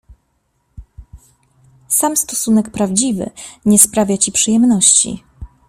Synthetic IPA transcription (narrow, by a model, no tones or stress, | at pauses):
samst̪ɔsunɛkpɾavd͡ʑivɘ̰ɲɛspɾavʲjat͡ɕipʂɘjɛmnɔɕt͡ɕḭ